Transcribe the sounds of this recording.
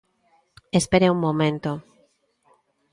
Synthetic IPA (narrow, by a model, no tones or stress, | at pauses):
espeɾeuŋmõmẽnt̪o